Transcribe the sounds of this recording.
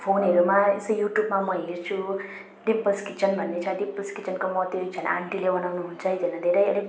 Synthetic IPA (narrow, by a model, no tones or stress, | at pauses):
pʰonɦʌɾumaesʌjuʈjubmamʌɦert͡sʰu | ɖimpʌskit͡sʰʌnbʱʌnːet͡sʰʌɖimpʌskit͡sʰʌnkomʌt̪et͡sʰʌna̰ɳʈilebʌnawnuɦunt͡sʰʌjd̪ʌnʌd̪ʱeɾʌjʌ̰le